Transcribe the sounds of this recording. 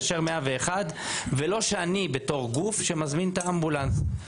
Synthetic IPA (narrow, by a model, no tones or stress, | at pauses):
ʃeʁmeaveːχad̪velo̞ʃeanibeto̞ʁɡufʃemazmint̪aːmbulans